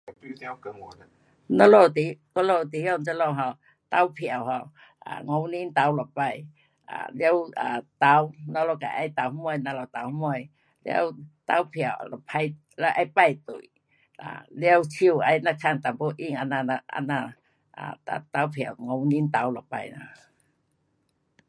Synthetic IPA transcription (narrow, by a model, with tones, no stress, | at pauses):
nɔ˧lɔ˧˨t̪i˨˦kɔ˧˦lo˧˩wt̪i˨˦ja˧˨t͡sa˧˦lɔ˧˨ɦa˧˩w | t̪a˧˦wpʰi˧˨a˨wha˧˩w | a̰˨ŋɔ˧˦wni˧˦nt̪a˨˧˦wlɔ˨˩pa˧˨j | ʔa̰˨˩lɛ˧˦wa˨˩t̪a˧˦wnɔ˧˦lɔ˧˨ka̰˨jʔa˧˦jt̪a˨˦whmɔ˧˨jna˧la˨˩wt̪a˨˦whmɔ˧˨j | lja̰˦˧wt̪a̰˧˦wpʰja˨˩˨wlpʰa˧j | la˧˦ʔa˧˦jpa˧jt̪ṵ˨j | a̰˨lja˧˦wt͡ɕʰi˧˨wa˧˦jna˧kʰa˧ŋt̪a˨mpo˧˦ʔi˧˨ŋa˧na˧na˧a̰˧na˧˨ | a̰˨t̪a˧t̪a˧˦wpʰja˨˩wŋɔ˧˦wni˧˦nt̪a˨˦wlɔ˨˩pa̰˧˨jna˧˨